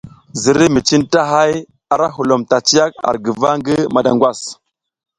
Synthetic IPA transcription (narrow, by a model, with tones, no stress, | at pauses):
zi˨ɾi˦mi˨t͡ʃi˦nta˦ɦa˦j | a˦ɾa˦ɦu˨lo˨mta˨t͡ʃi˦a˦k̚a̰˨ɾɡi˨va˦ŋɡi˦ma˨da̰˨ŋɡwa˦˨s